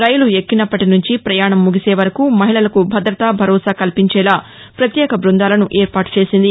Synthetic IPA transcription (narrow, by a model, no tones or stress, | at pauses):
ɾɐjuluekːinɐpːɐʈinuɲt͡ʃipɾɐjaːɳɐmːuɡiseːʋɐɾɐkumɐɦiɭɐlɐkubʱɐd̪ɾɐt̪aːbʱɐɾɔːsaːkɐlpiɲt͡ʃɛːlaː | pɾɐt̪jɛːkɐbɾund̪aːlɐnuʔeːɾpaːʈu̥t͡ʃe̞ːsind̪i